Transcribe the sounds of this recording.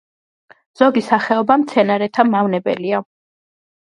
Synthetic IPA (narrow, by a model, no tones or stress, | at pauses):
z̥ɔɡisaχɛɔbamt̪sʰɛnaɾɛt̪ʰamavnɛbɛ̰lia